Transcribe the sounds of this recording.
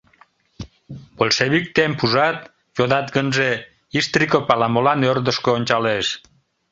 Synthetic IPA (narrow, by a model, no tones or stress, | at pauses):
bolʃeβik̚t̪empuʒɑt̪ | joðɑt̪ɡənʒe | ist̪rikopɑlɑmolɑnørd̪əʃkoonʲt͡ɕɑleʃ